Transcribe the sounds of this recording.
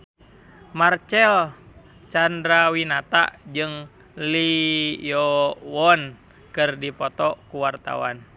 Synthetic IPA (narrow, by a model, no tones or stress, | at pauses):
mart͡ʃɛl | t͡ʃandɾawinat̪a̰ʔd͡ʒɨŋ | lijɔwɔn | kɨrdipɔt̪ɔkuwart̪a̰wa̰n